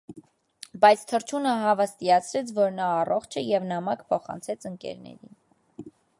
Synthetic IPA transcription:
bɑjt͡sʰt̪ʰəɾt͡ʃʰunəɦɑvəst̪ijɑt͡sʰɾɛt͡sʰvɔɾnɑːrɔχt͡ʃʰəjɛvnɑmɑkpʰɔχɑ̰nt͡sʰɛt͡sʰəŋkɛ̰ɾnɛ̰ɾḭn

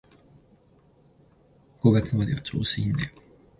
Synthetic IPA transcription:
ɡ̥o̞ɡat͡sɨmad̪e̞βat͡ɕo̞̰ːɕind̪a

